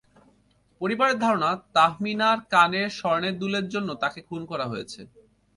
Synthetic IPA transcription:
poɾibaɾeɾd̪ʱɔɾonat̪aɦminaɾkaneɾʃɔɾneɾd̪uleɾd͡ʑonːot̪akekʰunkɔɾaɦojet͡ɕʰe

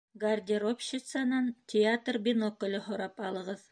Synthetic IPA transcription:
ɡɐrdʲɪɾopɕɪt̪sanɑnt̪ʲʰɪat̪rbʲɪnokŏlʲɤhŏɾɑpɑlˠɤ̆ʁɤð

